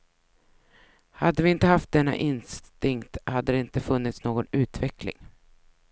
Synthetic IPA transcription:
had̪ːəvɪɪnt̪əhaft̪̚d̪ɛnːa̰ʔɪnst̪ɪŋkt̪had̪ːəd̪ɛɪnt̪əfɵnːɪt̪snoːɡɔnʉ̟ːt̪vɛklɪ̰ŋ

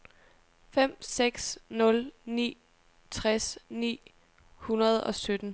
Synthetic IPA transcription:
fem̰seɡ̥snɔ̽lnḭː | t͡sʰʁasnḭː | hunɐð̞ˠɒ̽sød̥n̩

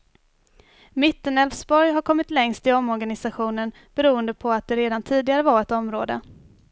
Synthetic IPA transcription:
mɪt̪ːənɛlfsbɔɾjɦaɾkʰɔmːɪt̪lɛŋst̪ɪɔmːɔɾɡanɪsaɧuːnən | b̥ɛɾuːənd̪əpʰɔat̪̚d̪ɛɾeːd̪ant̪ʰiːd̪ɪɡaɾəvaɾɛt̪ɔmɾoːd̪ə

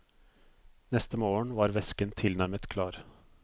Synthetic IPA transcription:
nɛst̪əmoːəɳʋɑːɾʋɛskənt̪ʰɪlnæɾmət̪kʰlɑːɾ

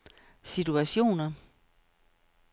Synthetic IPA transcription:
sit͡sʰuæɕo̝̰ːnɐ

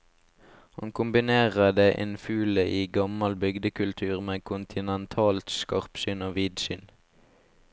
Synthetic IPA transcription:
hɑnkʰʊmbɪneːʁəd̪eːʔeːnfʉːləʔiːɡɑmɑlbʏɡd̪əkʰʉlt̪ʰʉːʁmeːkʰʊnt̪ʰɪnɛnt̪ʰɑːlt̪skɑʁpʃʏnoːʋiːd̪ʃʏn

